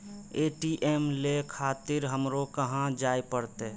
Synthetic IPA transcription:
eːʈiʔeːmlekʰaːt̪ɪɾɦəmɾokəɦãd͡ʒaːepəɽt̪e

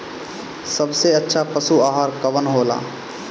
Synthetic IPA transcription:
səbseətːʃʰapəsuaːɦaɾkəʋənɦoːla̰ː

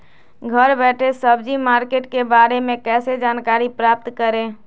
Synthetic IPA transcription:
ɡʱəɾbɛːʈʰesəbd͡ʒimaːɾkeːʈkebaːɾemẽkɛːsed͡ʒaːnkaːɾipɾaːp̚t̪kəɾẽ

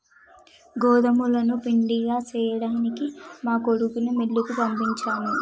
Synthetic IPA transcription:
ɡɔːd̪ɐmulɐnupiɳɖiɡaːt͡ʃɛːjɐɽaːnikimaːkoɽukunɐmelːukupɐmbiɲt͡ʃaːni

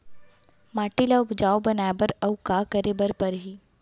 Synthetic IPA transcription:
maːʈilaʊpd͡ʒaːobɐnaːjbəɾɐʊkakəɾebəɾpɐɾɦiː

